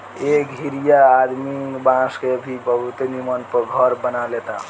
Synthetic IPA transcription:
ekɦiɾijaːd̪mibãskeəbʱibəbʱut̪enimənpəɡʱəɾbənalet̪a̰

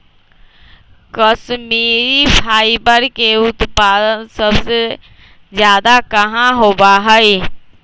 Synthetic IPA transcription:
kəʃmiːɾipʰaːɪibəɾkeʊt̪paːd̪ənsəbse | d͡ʒjaːd̪akɐɦãɦoːbaɦɛi

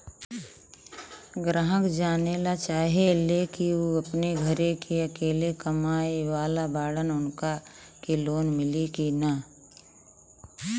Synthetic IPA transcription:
ɡɾaɦəkd͡ʒaːnelat͡ʃaːɦielekioɐpneɡʱɐɾekʰeɐkeːlekɐmaːeʋaːlabaːɽənʊnkakeloːnmɪlikina

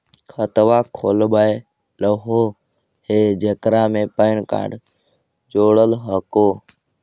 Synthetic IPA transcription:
kʰət̪ʋaːkʰoːlbəe | ləɦoː | heːd͡ʒekɾaːmẽːpəɪɳka̰ːɖ | d͡ʒoːɽəlɦəkoː

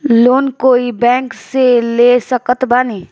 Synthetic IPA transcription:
loːnkoːibɛ̃ːŋkselesəkət̪baːneː

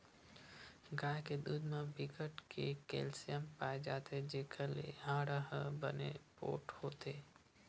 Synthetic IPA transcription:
ɡaːjked̪uːd̪mãbɪkəʈkʰekḛːlsijəmpaːed͡ʒaːt̪ed͡ʒeːkʰəlḛɦãːɽəɦbənḛpo̰ːʈhoːt̪eː

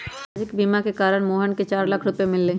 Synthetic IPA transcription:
d͡ʒɪkbiːmakekaːɾəɽmoːɦənket͡ʃaːɾlɐkʰɾʊpemɪlːẽː

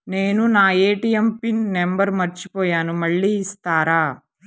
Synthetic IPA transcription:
ne̞ːnunaːe̞ːʈijempinːembɐɾmɐɾt͡ʃipɔːjaːnumɐɭːiːst̪aːɾaː

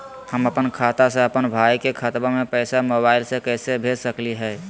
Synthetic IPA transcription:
həməpənkʰat̪asẽəpənbʱajkekʰət̪bamepəɪsamobaɪlsekəːsebʱesəkliɦɛː

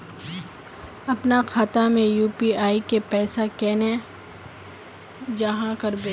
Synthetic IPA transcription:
ɐpnaxʰaːt̪amẽjuːpiaːikepɛːsakɛːne | d͡ʒɐɦãkɐɾbeː

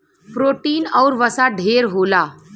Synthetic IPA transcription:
pɾoʈiːnɔwɾʋəsaɖʱeɾɦola

